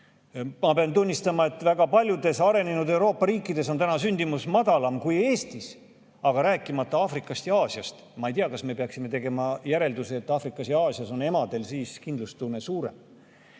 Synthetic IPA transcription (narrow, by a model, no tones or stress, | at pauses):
mɑpeɑnt̪unʲːist̪ɑmɑe̞t̪ːˑvæɡ̥ɑpɑlʲjud̪e̞sɑɾe̞nenud̪e̞wɾo̞ːpːɑɾiːkːˑid̪e̞so̞nt̪ænɑsynʲd̪̥imusmɑd̪ɑlɑmkuje̞ːst̪is | ɑɡ̥ɑɾæːkːˑimɑt̪ːˑɑɑfrikːˑɑst̪jɑɑːsjɑst̪mɑejt̪iɑkɑsme̞peɑksime̞t̪e̞ɡe̞mɑjæɾe̞ld̪useːt̪ːˑɑːfrikːˑɑsjɑɑːsjɑso̞ne̞mɑd̪̥e̞lsiːskind̪lust̪unesuːɾe̞̰m